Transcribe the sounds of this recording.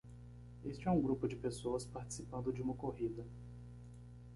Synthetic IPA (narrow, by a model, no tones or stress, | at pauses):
est͡ʃɪɛũɡɾupʊd͡ʒɪpesoɐspaɾt͡ʃi̥sipɐ̃nd̪ʊd͡ʒɪũmɐkoɦid̪ɐ